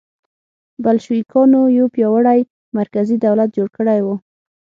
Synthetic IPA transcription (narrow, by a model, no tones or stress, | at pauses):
balʃikʰɑnojopjɑwaɽaj | maɾkazid̪awlat̪̚d͡ʒoɽkəɽajwu